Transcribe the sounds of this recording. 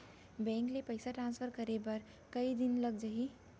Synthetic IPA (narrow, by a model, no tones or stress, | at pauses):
bɛ̃ŋklepəjsaʈɾãnspʰəɾkəɾebəɾ | kəid̪inləɡd͡ʒəɦi